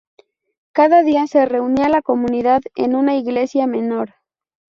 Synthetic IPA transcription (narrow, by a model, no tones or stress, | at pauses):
kaðaðiase̞re̞unialako̞mũniðaðḛnunaiɣle̞sjame̞no̞ɾ